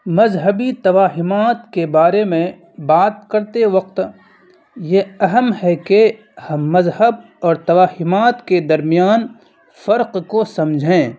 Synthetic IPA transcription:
mɐzɦəbit̪ɐʋaːɦɪmaːt̪kebaːɾemẽ | baːt̪̚kɐɾt̪eʋɐq̚t̪ | jeɐɦəmhɛke | hɐmːɐzhəb | ɔːɾt̪ɐʋaːɦɪmaːt̪ked̪ɐɾmijaːn | fɐɾqkosɐ̃md͡ʒʱẽː

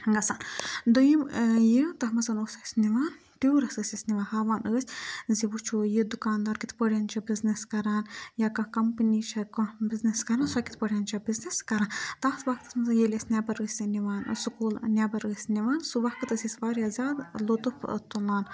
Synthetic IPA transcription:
ɡɐsaːnd̪ujimjit̪ɐɦmɐsɐnosɐsʲniʋaːn | tuwɾɐsəsʲisʲniʋaːnhaːʋaːnəːsʲziʋut͡ʃʰujid̪ukaːnd̪aːɾkʲit̪pəɽʲant͡ʃʰɐbizneskɐɾaːnjaːkɐkɐmpnit͡ʃʰɐkɔbizneskɐɾaːnsakit̪̚pəɽʲjaːnt͡ʃʰɐbizneskɐɾaːnt̪aːht̪ʰʋakt̪ɐ̥smɐsɐnjelʲesʲnʲabɐɾəːsʲiniʋaːnsukuːlnʲabɐɾəːsʲniʋaːnsuʋɐhkɨt̪ɐsʲisʲʋaːɾjazʲaːd̪lut̪upʰt̪ulaːn

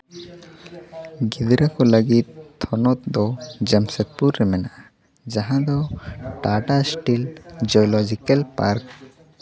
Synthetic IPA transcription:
ɡid̪ɾɛkɔləɡit̪̚t̪ːʰɔnɔt̪̚d̪ɔd͡ʒɛmsɛt̪̚puɾːɛmɛnaʔa | d͡ʒaɦãd̪ɔʈaʈasʈild͡ʒɔɔlɔd͡ʒikɛlpaɾk̚

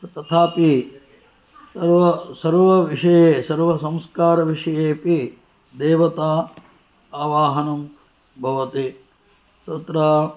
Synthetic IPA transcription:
t̪ɐt̪ʰaːpi | sɐɾʋɐsɐɾʋɐʋiʂɐjeːsɐɾʋɐsɐ̃mskaːɾɐʋiʂɐjeːpi | d̪eːʋɐt̪aː | aːʋaːɦɐnum | bʱɐʋɐt̪i | t̪ɐt̪ɾaː

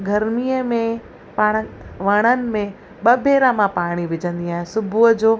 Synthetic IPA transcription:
ɡʱɐɾmiːəmẽ | paːɽ̃əʋɐɽ̃ənɪ̆mẽ | ɓɐbʱeːɾãmãpaːɽ̃iʋɪd͡ʑə̃nd̪iaːɦẽsʊbʱud͡ʑoː

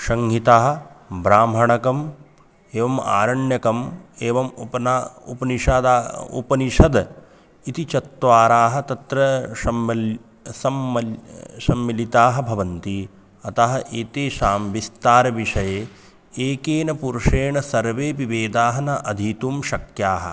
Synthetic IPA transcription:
ʃɐŋɦit̪aːɦɐ̆bɾaːmɦɐɳɐkɐm | eːʋɐma̰ːɾɐɳjɐkɐmeːʋɐmpɐnṵpɐniʃaːd̪aṵpɐniʃɐd̪ | it̪it͡ʃɐt̪ːʋaːɾaːɦɐ̆t̪ɐt̪ɾɐʃɐmɐ | sɐmɐʃɐmːilit̪aːɦɐ̆bʱɐʋɐnt̪i | ɐt̪ɐɦɐ̆ʔeːt̪eːʃaːmʋist̪aːɾɐʋiʂɐjeː | eːkeːnɐpuɾʂeːɳɐsɐɾʋeːʋiʋeːd̪aːɦɐnɐʔɐd̪ʱit̪uːmʃɐkjaːɦɐ̰

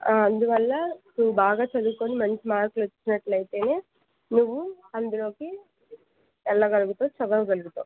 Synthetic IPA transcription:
ɐnd̪uʋɐlːɐnuʋubaːɡaːt͡ʃɐd̪uukoːnimɐnt͡ʃimaːɾkulot͡ʃːinɐʈlɐjt̪e̞ːne̞ː | nuʋːu | ɐnd̪ulo̞ːki | ɛlːɐɡɐluɡut̪oːt͡ʃɐʋɐɡɐluɡut̪oː

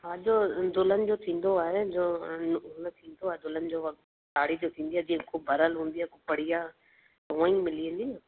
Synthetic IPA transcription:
ɦãːd͡ʒoːd̪ʊlənd͡ʒoːt̪ʰĩːnd̪oaːɦed͡ʒoːnt̪ʰĩːnd̪oaːed̪ʊlənd͡ʒo | ʈaːɽid͡ʒoːt̪ʰĩːnd̪iɦɛːd͡ʒikʰubəɾəlɦõːnd̪iɦɛːkʊpəɽijaː | t̪ɐʋãːĩmɪliẽːnd̪iãː

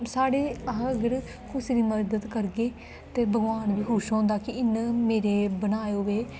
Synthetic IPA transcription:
saːɽeːəɦɡəɾ | kʰʊsɾiːməɾd̪əd̪kəɾɡeː | t̪eːbəɡʋaːnʋiːɦʊʃɦɔ̃ːnd̪aːkɪɪnːmeːɾeːbənaːeoːʋeː

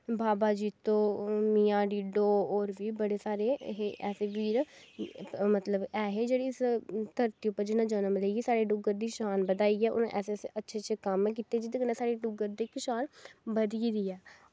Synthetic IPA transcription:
baːbaːd͡ʒiːt̪õːmiːãːɖiːɖoːɔːɾʋiːbəɽeːsaːɾeːɦeʔɛ̰ːseːʋiːɾ | mət̪ləbɛːɦeːd͡ʒeːɽiːɪst̪əɾt̪iːʊpːəɾd͡ʒɪnãːd͡ʒənəmləiɡisaːɾeːɖʊɡəɾd̪iːʃaːnbəd̪aːiːɛːʔʊ̰ñːʔɛ̰ːseːseʔətːʃʰeːt͡ʃəkəmːk̬iːt̪ed͡ʒɪd̪kəneːsaːɾeːɖʊɡəɾd̪eːkɪʃaːnbəd̪iɾiːɛː

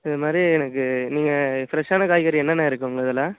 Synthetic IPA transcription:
ɪðɐmaːd̪ɾiɛnɐkːɯniːŋɡɐfɪɾɐʂaːnɐkaːjɪkɐːɾiɛnːɐnːɐɪɾɯkːɯɐŋɡɐɐɪðɐlãː

